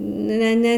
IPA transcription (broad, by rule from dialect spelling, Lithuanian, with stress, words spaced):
ˈnʲɛ ˈnʲɛ